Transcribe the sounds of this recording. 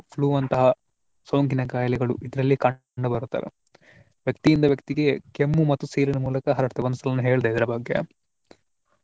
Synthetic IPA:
pʰluːʋɐnt̪ɐɦɐ | sɐwŋkinɐkaːjɐlɛɡɐɭṵʔid̪ɾɐlːikɐ | ɳɖubɐɾut̪ːa̰ːɾḛ | ʋjɐk̚t̪ijind̪ɐʋjɐk̚t̪iɡekemːumɐt̪ːusiːlinɐmuːlɐkɐɦɐɾɐɾt̪eʋɐnd̪st̪ɐlɐnːuɦe̞ːɭid̪ejid̪ɐɾɐbɐɡːḛ

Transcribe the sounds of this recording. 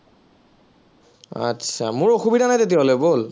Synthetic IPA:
a̰tsʰamʊɹoxubidʱanajtet̬iaolojbol

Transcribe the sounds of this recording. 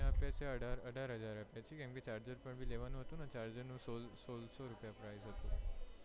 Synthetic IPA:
apjaseəɖaɾəʈaɾɦəd͡zaɾapjat͡ɕiːkɛ̃mket͡ɕaɾd͡ʑəɾpəɳbʱiːleʋanũɦət̪ũnat͡ɕaɾd͡ʑənũsolsolsoɾupjapɾajzɦət̪ṵ̃

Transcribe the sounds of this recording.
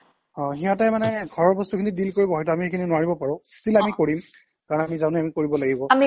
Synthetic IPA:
ɔ̃xiãtajmanɛɡʱɔɹɔɹbɔstukʰinidilkoɹibɔɦɔjt̬ʊamixekʰininʊwaɹibɔpaɹʊ̃stilamikoɹim | kaɹɔnamizaw̃nɛamikoɹibɔlaɡibɔami

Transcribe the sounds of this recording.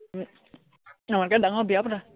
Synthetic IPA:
amakadaŋɔbiapda

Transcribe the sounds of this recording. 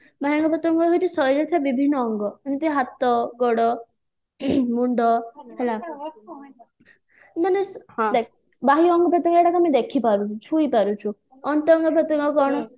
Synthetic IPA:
baɦiɔŋɡɔpɾɔt̪ɔŋɡɔɦojt͡ʃʰisɔɾɔt̪ʰiabibʱinːɔːŋɡɔanit̪iɦat̪ːɔɡɔɽɔ | muɳɖɔɦela | manesd̪ɛk | baɦiɔŋɡɔpɾɔt̪ɔŋɡɛɽakamĩd̪ekʰipaɾut͡ʃʰuipaɾut͡ʃʰu | ɔnt̪ɔɔŋɡɔpɾɔt̪ɔŋɡɔkɔɽ̃ɔ

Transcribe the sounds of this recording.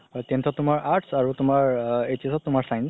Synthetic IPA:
tentʰɔtːʊmaɹʔaɹʈsaɹutʊmaɹetiasʰɔtːʊmaɹsajn

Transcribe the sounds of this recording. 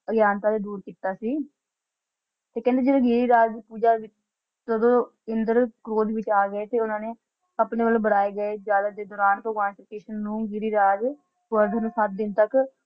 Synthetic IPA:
əɡjaːnt̪aːd̪eːd̪uːɾkiːt̪aːsiː | t̪eːkɛ̃ːnd̪eːd͡ʒeːd̪eːɡiːɾiːɾaːd͡ʒd̪iːpuːd͡ʒaːʋɪt͡ʃ | t̪əd̪õː | ɪnd̪əɾkɾoːd̪ʋɪt͡ʃaːɡəeːt̪eːʊnãːneː | əpneːʋəloːbəɽaːeːɡəeːd͡ʒaːləd̪eːd̪ɔːɾaːnpɾəɡʋaːnsɪkeːʃənːũːɡiɾiːɾaːd͡ʒ | ʋəɾd̪nũːsət̪̚d̪ɪnt̪ək

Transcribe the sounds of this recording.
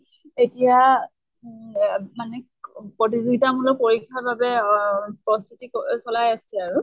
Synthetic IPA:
etija | manɛ | pɹotizuɡitamulɔpoɹikʰːaɹbabɛpɹɔstʰutiksɔlajasɛaɹu

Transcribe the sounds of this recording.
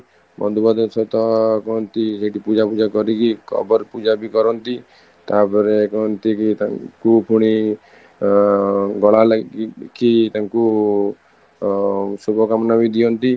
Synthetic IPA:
bɔ̰nd̪ubad̪ɔt͡ʃʰɔt̪ɔkɔɦɔnt̪iseʈipud͡ʒapud͡ʒakɔɾikikɔ̰bɔɾpud͡ʒabikɔɾɔnt̪i | t̪apɔɾekɔɦɔnt̪ikit̪aŋkupʰuɽ̃i | ɡɔɭalakit̪aŋku | subʱɔkamɔnamid̪iɔnt̪i

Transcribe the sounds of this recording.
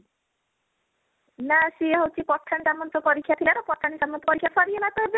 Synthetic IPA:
nasieɦowt͡ʃʰipɔʈʰːanitamɔnt̪ɔpɔɾikʰːjat̪ʰilaɾɔpɔʈʰːanit͡ʃamːɔnt̪ɔpɔɾikʰːjafʰaɾienat̪ɔɦebe

